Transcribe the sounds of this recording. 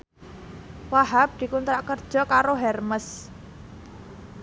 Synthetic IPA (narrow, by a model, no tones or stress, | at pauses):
waɦap̚d̪̥i̤kunt̪ɾaʔkərd̥ʒ̥ɔ̤kaɾoɦɛrməs